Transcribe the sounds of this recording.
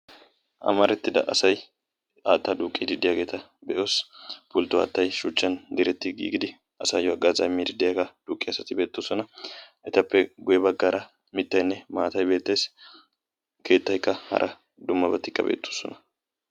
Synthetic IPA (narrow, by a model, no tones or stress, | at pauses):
ʔɐ̰mɐɾɛt̪ːɪd̪ɐ̰ʔɐsɐj | aːt̪ːɐd̪uːkʼːid̪ɪd̪ːɪjaːɡe̞ːt̪ɐ | bɛʔo̞ːspʊlt̪ːʊa̰ːt̪ːɐjʃʊt͡ʃʼːɐnd̪ɪɾɛt̪ːɪɡḭːɡɪd̪ɪ | ɐsɐjjɔɐɡazɐmːid̪ɪd̪ːɪjaɡɐd̪̥uːkʼːɪɐsɐt̪ɪbe̞ːt̪ːosɔnɐʔɛt̪ɐpːɛɡʊjɛbɐɡːaɾʔɐ | mɪt̪ːɐjnːɛmaːt̪ɐjbe̞ːt̪ːe̞ːs | ke̞ːt̪ːɐjkːɐhɐ̰ɾʔɐ | d̪ʊmːɐbɐt̪ːɪkːɐ̰bḛːt̪ːo̥sɔ̰nɐ